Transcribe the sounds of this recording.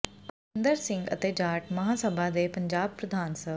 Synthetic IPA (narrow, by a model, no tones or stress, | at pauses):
k | nd̪əɾsɪ̃ŋɡə̰t̪eːd͡ʒaːʈmɐɦaːsəbʱad̪eːpəɲd͡ʒaːb̚pɾəd̪ʱaːnsə